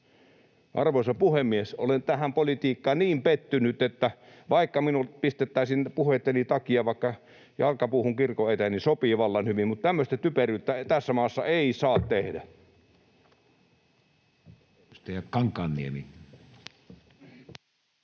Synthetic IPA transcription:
ʔɑ̰rʋoˑisɑpuhemːieso̰lent̪æhæmpolit̪iːkːɑniːmpet̪ːynyt̪et̪ːæʋɑˑikːɑminulpist̪et̪ːæˑisinpuhet̪ːenit̪ɑkiɑʋɑˑikːɑ | jɑlkɑpuːhuŋkirkoet̪ænisopiʋɑlːɑnhyʋimmut̪t̪æmːøst̪æt̪yperˑyt̪ːæt̪æsːæmɑːsːɑ̰eˑisɑːt̪t̪ehdæ | st̪eækɑŋkːˑɑːnːḭemi

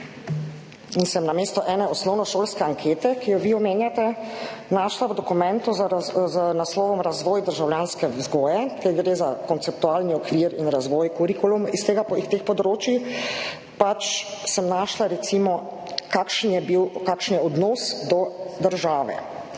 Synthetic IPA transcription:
insɛmnameːst̪ɔʔɛːnɛɔsnɔwnɔʃoːlskɛaŋkʰeːt̪ɛkijɔʋiɔmeːnjat̪ɛnaːʃlawd̪ɔkumɛ̃nt̪uzznaslɔːʋɔmɾazʋɔːjd̪əɾʒawljaːnskɛzɡɔːjɛk̪ɛɡɾeːzakɔnt̪sɛp̚t̪uaːlniɔkʋiːɾinɾazʋɔːjkuɾikulumist̪eːɡapɔixt̪eːxpɔd̪ɾoːt͡ʃjix | pat͡ʃsəmnaːʃlaɾɛt̪simɔ | kakʃnjɛbiwkakʃnjɛɔd̪nɔːsd̪ɔd̪əɾʒaːʋɛ̰

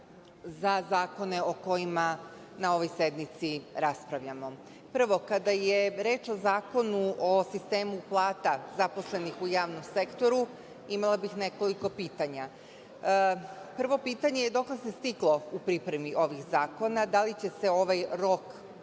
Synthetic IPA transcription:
zazaːko̞ne̞o̞ko̞jima | nao̞ʋo̞jse̞d̪mit̪siɾaspɾaʋʎamo̞ | pr̩ʋo̞kad̪ajeɾe̞ːt͡ʃo̞zaːko̞nuʔosist̪e̞ːmuplˠaːt̪azapo̞sle̞nixujaːʋnomse̞kt̪o̞ɾu | imalˠabixne̞ko̞liko̞piːt̪aɲa | pr̩ʋo̞piːt̪aɲejed̪o̞kle̞se̞st̪iklˠo̞upɾipɾe̞miʔo̞ʋixzaːko̞nad̪alit͡ɕe̞se̞o̞ʋajɾo̞k

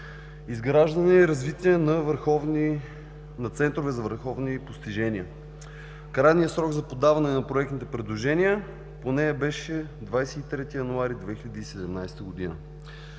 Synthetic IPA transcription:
izɡɾaʒd̪ɐnɛɛɾɐzvit̪iɛnɐvəɾxɔvn | nɐt̪sɛnt̪ɾovɛzɐvəɾxɔvnipost̪iʒɛnʲiə | kɾajnijəsɾɔɡzɐpod̪avɐnɛnɐpɾoɛk̚t̪it̪ɛpɾɛd̪lˠoʒɛnʲiə | ponɛjɐbɛʃɛd̪vajsɛit̪ɾɛt̪ijɐnuaɾid̪vɛxiʎʲɐd̪iːsɛd̪ɛmnajst̪əɡod̪inə̰

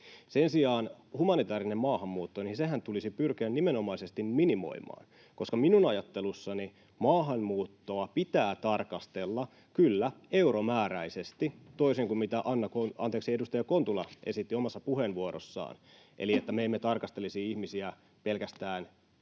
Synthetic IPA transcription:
se̞nsiɑːn | humɑnit̪ɑːɾinemmɑːhɑmːuːt̪ːoninseɦænt̪ulisipyrk̟iænnimeno̞mɑisest̪imminimo̰imɑ̰ːn | ko̞skɑminunɑjɑt̪ːelusːɑni | mɑːɦɑnmuːt̪ːoɑpit̪æːt̪ɑrkɑst̪elːɑ | kylːæe̞uɾomæːɾæisest̪it̪oiseŋkummit̪æʔɑnːɑkonɑ̰nt̪eːksiedust̪ɑjɑko̞nt̪ulɑ̰e̞sit̪ːiomɑsːɑpuhenʋuoɾo̰sːɑ̰ːnʔḛliet̪ːæmeemːet̪ɑrkɑst̪elisiihmisiæ | pe̞lkæst̪æːn

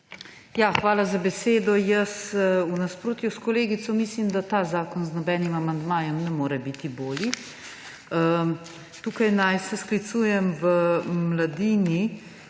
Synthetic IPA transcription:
jaxʋaːlazabɛseːd̪ɔjəsunaspɾoːt̪juskɔleːɡit̪sɔmislimd̪at̪aːzaːkɔnznɔbɛːnimamand̪maːjɛmnɛmoːɾɛbit̪iboːli | t̪uːkajnajsɛsklit̪suːjɛmʋəmlad̪iːni

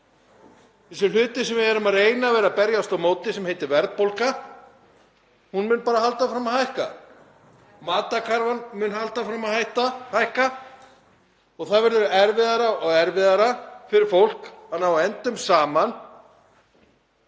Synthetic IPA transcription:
θɛsɪl̥ʏːt̪ɪsɛmvɪðɛɾʏmaðeːjnavɛːɾapɛɾjast̪awmoːwt̪ɪsɛmhejt̪ɪɾvɛɾðpowlka | hunmʏːnpaːɾahalt̪afɾamːaðhajhka̰ | maːt̪akʰaɾvanmʏːnhalt̪afɾamaðhajht̪ahajhka | ɔɣθaðvɛɾðʏɾɛɾvɪðaɾaɔɣɛɾvɪðaɾafɪɾɪɾ̥fowl̥khanːawaɛnt̪ʏmsaːman

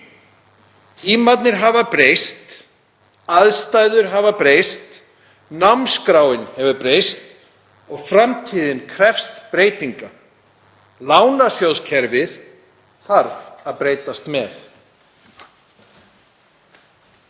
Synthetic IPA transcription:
iːmat̪nɪɾɦavapɾeːjst̪ | aðst̪aːjðʏɾɦavapɾeːjst̪ | namskɾaːwɪnhɛvʏpɾeːjst̪ | ɔɣfɾamt̪ʰiːðɪnkʰɾɛfst̪pɾeːjt̪iŋka | laːwnasjowscʰɛɾvɪθ | θaɾvaðpɾeːjt̪ast̪mɛθ

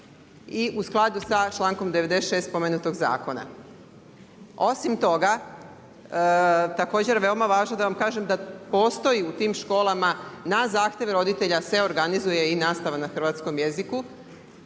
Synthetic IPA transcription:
iʔusklˠad̪usat͡ʃlˠaːŋko̞md̪e̞ʋed̪esʃeːst̪̚po̞menut̪o̞ɡza̰ːko̞na̰ | o̞simt̪o̞ɡa | t̪ako̞ːd͡ʑe̞ɾʋe̞o̞maʋaːʒnod̪aʋamkaːʒemd̪apoːst̪o̞jiut̪iːmʃko̞ːlˠamanazaːxt̪je̞ʋɾo̞d̪it̪e̞ʎase̞o̞ɾɡanizuje̞inaːst̪aʋanaxr̩ʋaːt̪sko̞mje̞ziku

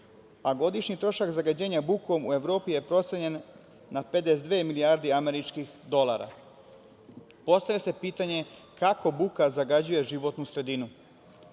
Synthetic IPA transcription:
aɡo̞d̪iʃɲit̪ɾo̞ʃakzaɡad͡ʑe̞ːɲabuko̞mue̞ʋɾo̞ːpije̞pɾo̞t̪seɲe̞nː | ape̞d̪esd̪ʋeːmiliaːɾd̪iame̞ɾit͡ʃkixd̪o̞lˠa̰ːɾa̰ | po̞st̪aʋese̞piːt̪aɲe̞kako̞bukazaɡad͡ʑuje̞ʒiʋo̞t̪nusɾe̞d̪inu

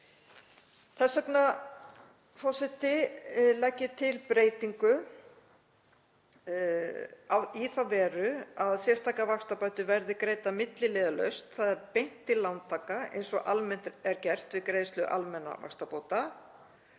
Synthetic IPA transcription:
θɛsakna | fɔsɪt̪ɪlɛcːɪt̪ʰɪlpɾeːjt̪iŋkʏ | awiθawvɛːɾʏaðsjɛr̥st̪ʰaːkavakst̪apœɥt̪ʏvɛɾðɪkɾeːjt̪amɪt̪lɪlɪðalœ̰ɥst̪θaðɛɾpejn̥t̪ɪlːawnt̪ʰaːkaḛjnsɔʔalmɛn̥t̪ɛɾcɛr̥t̪vɪkɾejðst̪lʏʔa̰lmɛnːa̰va̰kst̪apoːwt̪a

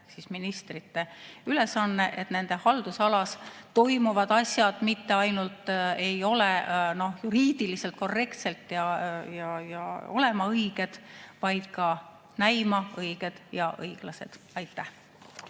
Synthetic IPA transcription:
sisminist̪rit̪ːe̞yle̞sɑnːe̞ʔet̪ne̞nd̪̥ehɑld̪usɑlɑst̪o̞jmuvɑd̪̥ɑsjɑd̪̥mit̪ːe̞ɑjnult̪ːˑe̞jo̞leno̞hjuɾiːd̪̥iliselt̪̚ko̞rːe̞kt̪se̞lt̪jɑjɑjɑo̞̰le̞mɑɤjɡ̥e̞d̪̥vɑjd̪̥kɑ | næjmɑɤjɡ̥e̞d̪̥jɑʔɤjɡ̥lɑse̞̰d̪̥ | ɑjt̪ːˑæh

